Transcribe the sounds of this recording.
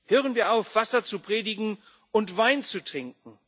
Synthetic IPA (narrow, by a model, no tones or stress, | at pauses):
høːʁənviːɐaʊfv̥asɐt͡supʁ̥eːdɪɡŋ̩ | ʊntv̥aɪnt͡sutʁ̥ɪŋk̚ŋ̩